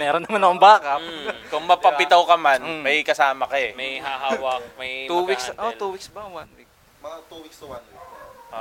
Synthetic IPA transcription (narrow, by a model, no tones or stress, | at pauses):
mɛːɾonːɐmanɐkʊŋbaːkɐkʊŋmɐpɐpɪt̪ɐwkɐmanmɐjkɐsaːmɐkɐmɐjhaɦawɐmɐj̪uwiksʔot̪uːwiksbɐwanwik | t̪uwikswan